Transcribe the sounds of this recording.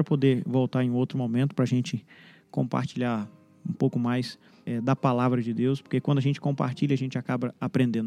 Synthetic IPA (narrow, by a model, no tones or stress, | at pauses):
ɾɐpod̪eɾvowt̪aɾẽũowt̪ɾʊmomẽnt̪ʊ̥pɾɐaʒẽnt͡ʃɪ | kõ̰mpa̰ɾt͡ʃiʎaɾ | ũpowkʊmajs | ɛd̪ɐpalavɾɐd͡ʒɪd̪ewspo̥ɾkekwɐ̃nd̪ʊɐʒẽnt͡ʃɪ̥kõmpa̰ɾt͡ʃiʎɐaʒẽnt͡ʃɪakabɐapɾẽnd̪ẽn